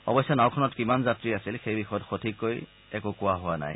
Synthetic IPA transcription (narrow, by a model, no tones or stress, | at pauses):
ɔ̰bɔsɔnawkʰɔnɔtkimanzatɹiasilxejbixɔjɔtxotʰikːoj | ɛkʊkʊaɦʊwana̰j